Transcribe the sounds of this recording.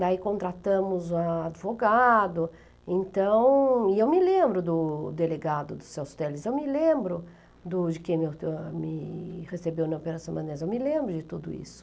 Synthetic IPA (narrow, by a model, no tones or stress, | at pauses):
d̪aikõnt̪ɾat̪ɐ̃mʊzaad͡ʒ̪ɪvoɡad̪ʊ | ẽnt̪ɐ̃w̃ɪewmɪlẽmbɾʊd̪ʊd̪eleɡad̪ʊd̪ʊsewst̪ɛlɪzewmɪlẽmbɾʊ | d̪ʊd͡ʒɪkẽj̃mmɪhesebewnɐopeɾasɐ̃w̃mɐ̃nezewmɪlẽmbɾʊd͡ʒɪt̪ud̪ʊ̰ḭsʊ̥